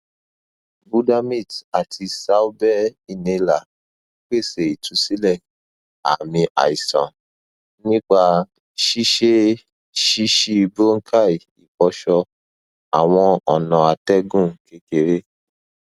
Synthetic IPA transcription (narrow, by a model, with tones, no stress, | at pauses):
bu˦da˧mĩ˦˨ta˨tʰi˧sa˦u˦bɛ˦i˦˨nẽ˧la˨˦ | k͡pe˦˨se˨i˨tʰũ˨˦si˦lɛ˦˨ | a̰˨mĩ˧ʔa̰˨i˨sã̰˨ | nĩ˦k͡pa˧ | ʃi˦ʃe˦ | ʃi˦ʃi˦˧bo˦ŋ̩˦kʰa˦˨i˨ | i˨kɔ˧ʃɔ˧ | a˨w̃ɔ̃˧ɔ˨nã˨˧a˧tɛ˦ɡũ˦˨ke˦ke˨ɾe˦